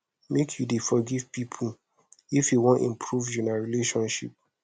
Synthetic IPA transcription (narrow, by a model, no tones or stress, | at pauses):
mekʰjudefɔɡivpipʰu | ifjuwɔ̃ntḭ̃mpʰɹuvd͡ʒunaɹileʃɔ̃nʃḭp̚